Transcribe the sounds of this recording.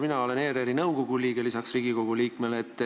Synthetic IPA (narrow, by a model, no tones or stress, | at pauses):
minɑo̞le̞ne̞ːɾeɾinɤwko̞ɡ̥uliːɡ̥e̞lisɑksriːɡ̥iko̞ɡuliːkme̞leːt̪ːˑ